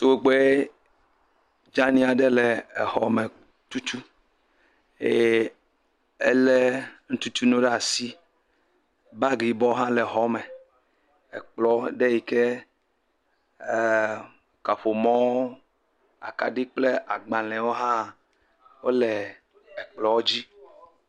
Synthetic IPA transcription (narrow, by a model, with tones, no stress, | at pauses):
t̪o˨we˨ɡ͡be˦ | d͡ʒã˦nĩ˦a˨ɖe˦le˨e˨hɔ˨me˨ | t̪u˦t̪u˦ | e˦˨ | e˦le˦ŋ̩̃˦t̪u˦t̪u˦nõ˦ɖɛ˦a˨si˦ | ba˦ɡi˨bɔ˦ɦã˦le˨ɦɔ˦me˨ | ḛ˨k͡plɔ˦ɖe˦ji˨ke˦˨ | ka˨ɸo˨mɔ̃˦o˦ | a̰˨ka˨ɖi˦k͡ple˦ʔa˨ɡ͡bã˨lɛ̃˨wo˦ɦã˦˨ | wo˦lɛ˨ | e˨k͡plɔ˨wo˦d͡ʑi˦